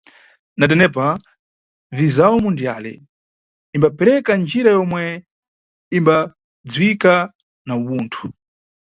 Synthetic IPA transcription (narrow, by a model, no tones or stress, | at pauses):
nat̬ɛnɛp̬a | vizaumundijalɛ̰ | imbapɛɾɛkand͡ʒiɾajɔmwɛ | imba | d͡zwika | nauɓuːntʰu̥